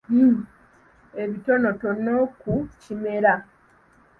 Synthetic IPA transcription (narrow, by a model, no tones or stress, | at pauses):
e̞βito̞no̞to̞no̞kucime̞ɾa